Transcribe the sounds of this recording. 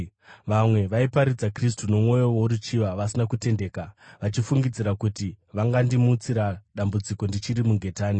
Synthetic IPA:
ʋamwe̞ʋaipaɾid͡zakris̬tuno̞mwo̞jo̞wouɾut͡ʃiʋaʋasinakute̞nde̞ːkaʋat͡ʃifuŋɡid͡ziɾakutiʋaŋɡandimuːt͡siɾaɗambud͡ziko̞ndit͡ʃiɾimuɡʱe̞taːni

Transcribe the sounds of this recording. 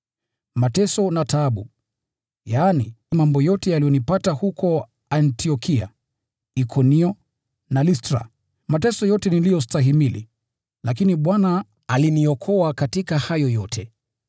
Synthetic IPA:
matɛsɔnataːɓṵ | jaːnimambɔjɔtɛjalijɔnipatahukʰɔ | antʰiɔkʰia̰ | ikʰɔniɔ | nalistɾa̰ | matɛsɔjɔtɛnilijɔstaɦimilḭ | lʔakiniɓwana | aliniɔkʰɔakatikahajɔjɔtʰɛ

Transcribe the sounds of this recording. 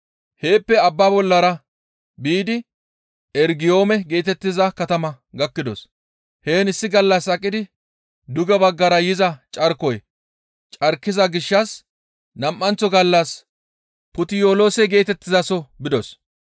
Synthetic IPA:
he̞ːpːɛɐbːaːbɔlːɐɾɐ | biːd̪ɪ | ɛɾɡɪjo̞ːmɛɡe̞ːt̪ɛt̪ːɪzɐkɐt̪ɐmɐ | ɡɐkːɪd̪ɔs | he̞ːnɪsːɪɡɐlːɐsɐkʼːɪd̪ɪ | d̪ʊɡɛbɐɡːɐɾɐjɪzɐt͡ʃʼɐɾkɔj | t͡ʃʼɐɾkːɪzɐɡɪʃːɐs | nɐmʔːɐnt͡sːɔɡɐlːɐs | pʊt̪ɪjoːloːsɛɡe̞ːt̪ɛt̪ːɪzɐsɔbɪd̪ɔs

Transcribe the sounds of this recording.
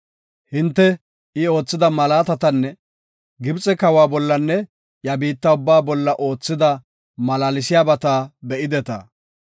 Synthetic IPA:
hɪnt̪ːɛ | ɪo̞ːt͡sːɪd̪ɐmɐlaːt̪ɐt̪ɐnːɛ | ɡɪbt͡sʼɛkɐwaːbɔlːɐnːɛ | jɐbiːt̪ːɐʊbːaːbɔlːɐʔo̞ːt͡sːɪd̪ɐ | mɐlaːlɪsɪjaːbɐt̪aːbɛʔɪd̪ɛt̪ɐ̰

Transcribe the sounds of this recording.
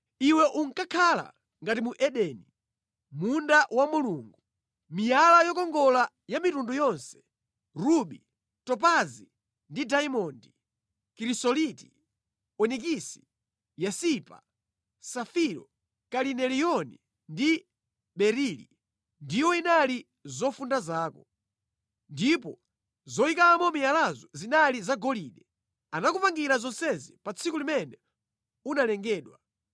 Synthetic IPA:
iwɛʔuŋ̩kakʰala̰ | ŋɡatimuʔɛɗɛni | mundaʔwamuluŋɡu | mijalajɔkɔŋɡɔla | jamitundujɔnsɛ̥ | ɾuɓi | tɔp̬azi | ndidaimɔndi | kiɾisɔliti̥ | ɔnik̬isi̥ | jasipa | safiɾɔ̰ | kalinɛlijɔni | ndi | ɓɛɾilḭ | ndijɔinali | zɔfundazaːkɔ | ndip̬ɔ | zɔikaːmɔmialazɔzinalizaɡɔliːɗɛ | anakupaŋɡiɾazɔnsɛzipat͡sʰikulimɛnɛ | unalɛŋɡɛːɗwa

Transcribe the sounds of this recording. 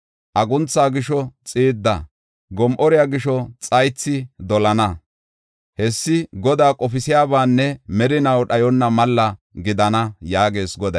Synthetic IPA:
ʔɐɡʊnt͡sːaːɡɪʃɔt͡sʼiːd̪ːɐ̰ | ɡɔmʔɔɾɪjaːɡɪʃɔt͡sʼɐjt͡sːɪd̪ɔlɐnɐ | hɛsːɪɡɔd̪aːkʼɔfɪsɪjaːbaːnːɛmɛɾɪnɐwɗɐjɔnːɐmɐlːɐɡɪd̪ɐnɐjaːɡe̞ːsɡɔd̪ɐj

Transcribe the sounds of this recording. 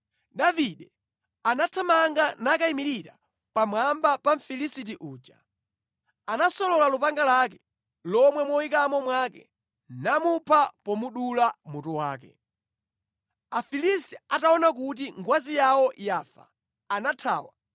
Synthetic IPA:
ɗaviɗɛ | anatʰamaŋɡanakaimiɾiɾa | pamwambapaɱ̩filisit̬iʔuːd͡ʒa̰ | anasɔlɔlalupaŋɡalak̬ɛ | lɔmwɛmɔwikamɔmwakɛ̰ | namupʰapɔmuɗulamutuwa̰ːkɛ̰ | afilistiataɔnak̬ut̬iŋɡwazijawɔjaːfa̰ː | natʰa̰ːwa

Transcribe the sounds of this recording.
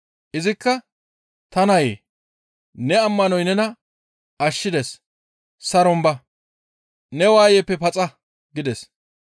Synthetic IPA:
ʔɪzɪkːɐ | t̪ɐnɐje | nɛɐmːɐnɔjnɛnɐ | ɐʃːɪd̪ɛs | sɐɾɔmbɐ | nɛwaːjɛpːɛpɐt͡sʼɐ | ɡɪd̪ɛs

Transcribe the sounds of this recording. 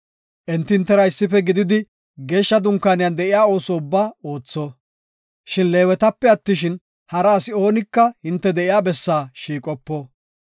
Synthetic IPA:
ʔɛnt̪ːɪnt̪ːɛɾɐɪsːɪfɛɡɪd̪ɪd̪ɪ | ɡe̞ːʃːɐd̪ʊŋkːaːnɪjɐnd̪ɛʔɪjaːo̞ːsɔʊbːaːo̞ːt͡sːɔ | ʃɪnle̞ːwɛt̪ɐpːɛɐt̪ːɪʃ̬ɪn | hɐɾɐːsɪo̞ːnɪkːɐhɪnt̪ːɛd̪ɛɪjaːbɛsːaːʃiːkʼɔpːɔ

